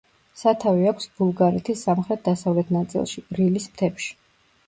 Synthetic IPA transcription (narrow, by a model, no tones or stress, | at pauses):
sat̪ʰaviakʰʷsb̥ulˠɡaɾɛt̪ʰisːamχɾɛt̪̚d̪asavlɛt̪ʰnat̪sʼḭlˠʃiɾilismt̪ʰɛpʃi̥